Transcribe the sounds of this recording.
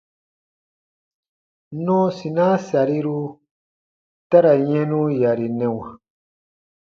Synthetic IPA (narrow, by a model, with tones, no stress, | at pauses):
nɔ̃˦si˨nã˦sa˨ɾi˦ɾu˧ | ta˦ɾa˨ɲɛ̃˦nũ˦ja˨ɾi˨nɛ̃˨wã˨